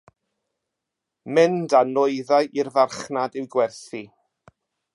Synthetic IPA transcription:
mɪndanɔɨðajʔirðarχnadɪwɡwɛrθi

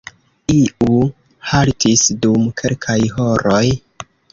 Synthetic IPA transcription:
iʔu | haltʰisdumkʰe̞lkʰajɦo̞ɾoj

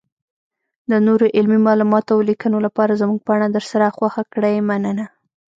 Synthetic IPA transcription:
d̪ənoɾoʔɪlmimɑlumɑt̪awlikənolapɑɾazmuɡ̚paɳad̪əɾsaɾaxwaxakɽajmanəna

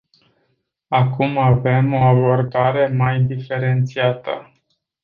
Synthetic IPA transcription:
akumave̞mo̞abo̞rd̪aɾe̞majd̪ife̞ɾe̞nt̪siat̪ə̰

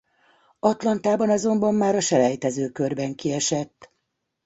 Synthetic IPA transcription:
ɒt̪lɒnt̪aːbɒnɒzo̞mbɒmːaːɾɒʃɛlɛjt̪ɛzøːkø̞rbɛŋkiɛʃɛt̪ː

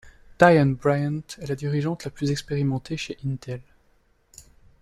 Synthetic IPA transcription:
d̪̥ajanbʁajãnt̪ɛlad̪iʁiʒɑ̃t̪laplyzɛkspeʁimɑ̃t̪ʰeʃeʔint̪ɛl

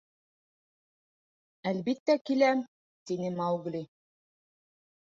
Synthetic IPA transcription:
ælβit̪ːækilæm | t̪inɘmɑwɡlʲi

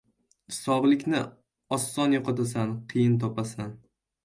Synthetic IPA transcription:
hɪ̥sɒblɪkʲnɪ | ɒsːɒnjoqʰɑt̪asanqʰɨjɪnt̪ʰɒpasan

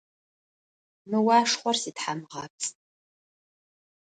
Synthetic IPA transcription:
nɨwaʂχʷarsitħamʁat͡sʼ

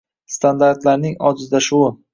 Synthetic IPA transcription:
st̪and̪aɾt̪laɾnɪŋɒd͡ʒ̪ɪzd̪aʃʊwɪ

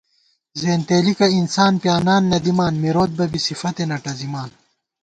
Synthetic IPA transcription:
zeːnt̪eːlikɐinsaːnpjaːnaːnːɐd̪imaːnmiɾoːt̪̚bɐbisifɐt̪enɐʈɐzimaːn

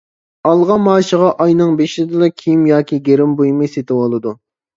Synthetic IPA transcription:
ɑlˠʁɑmɑːʃəʁɑʔɑjnɨŋbeʃɪd̪ɪlɛkʲʰimjɑːkʲiɡʲeɾɪmbujmɨset̪ɪwolˠɨd̪u

